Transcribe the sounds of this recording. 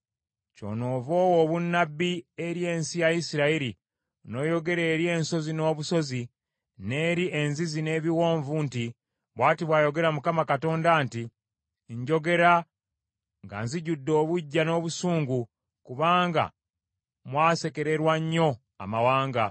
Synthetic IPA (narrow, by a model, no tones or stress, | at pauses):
co̞̰ːno̞ːvoːwoβunːabːieɾje̞ːnsijajisiɾaiɾi | no̞ːjo̞ɡe̞ɾeːɾje̞ːnso̞zino̞ːβuso̞zi | ne̞ːɾiʔenzizine̞ːβiwo̞ːɱvunti | βwaːtiβwaːjo̞ɡe̞ɾamukamakato̞ːndanti | ɲɟo̞ɡe̞ɾa | ŋɡa̰nziɟudːo̞ːβuɟːano̞ːβusuːŋɡu | kuβaːŋɡa̰ | mwaːse̞ke̞ɾe̞ɾwaɲːo̞ | a̰mawaːŋɡa